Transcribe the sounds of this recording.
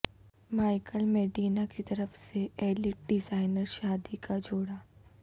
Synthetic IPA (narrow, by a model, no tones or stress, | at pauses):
maːɪkəlmɛːɖiːnakit̪ɐɾəfseɛːlɪʈ̚ɖɪzaːɪnəɾʃaːd̪ikad͡ʒoːɽaː